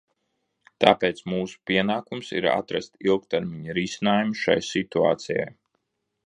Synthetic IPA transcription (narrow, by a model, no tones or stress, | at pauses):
t̪aːpeːt̪smuːsu̥piɛnaːkumsḭɾa̰t̪ɾa̰st̪ilˠk̚t̪ɛɾmiɲɾiːsinaːjumuʃa̰jsit̪ua̰ːt̪sija̰j